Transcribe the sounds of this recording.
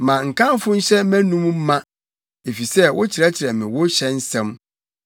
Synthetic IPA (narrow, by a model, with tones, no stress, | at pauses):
mã˨ŋ̩˨kʰã˦mfʊ̃˦n̩˦ɕɛ˦mæ̃˦nũ˦m˦mã˦ | e˨fi˨sɛ˦wʊ˦t͡ɕʰɪ˨ɾɛ˦t͡ɕʰɪ˨ɾɛ˨mɪ̃˨wʊ˦ɕɛ˦n̩˦sɛ̃˦m